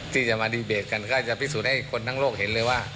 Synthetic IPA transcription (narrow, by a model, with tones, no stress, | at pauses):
t̪ʰiː˧˥˩t͡ɕa˧˩maː˧diː˧˩beː˨˩t̪̚ka˧nkʰaː˧˩t͡ɕa˧˩pʰi˧˩suː˨˩t̪̚ha˥˩jkʰo˧nt̪ʰa˧˥˨loː˥˩k̚ɦe˨˦nlɤː˧jwaː˧˥˩